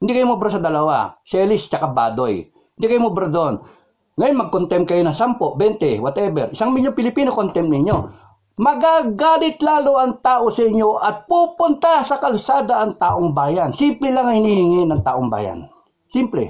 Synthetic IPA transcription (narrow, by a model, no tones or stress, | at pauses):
hɪnd̪ikɐjomobɾasɐd̪ɐlɐwa̰sɛlɪst͡ʃɐkaba̰ːd̪oj | hɪnd̪ikɐjomobɾad̪oʔon | ŋɐjonmɐɡ̚kont̪ɛm̚kɐjonɐŋsampoʔbɛnt̪ɛwat̪ɛbɛ̰ɾʔɪsaŋmiʎjoŋpɪlɪpiːnokont̪ɛmp̚nɪɲo̞ | mɐɡaɡaːlɪt̪laːloʔɐŋt̪aːʔo̞sɐʔɪɲːoʔɐt̪̚pupʊnt̪asɐkɐlsaːd̪aʔɐŋt̪aːʔoŋbaːjɐnsimplɛlaŋɐŋhɪnihɪŋɪnɐŋt̪a̰ːʔoŋba̰ːja̰n | simplɛ̰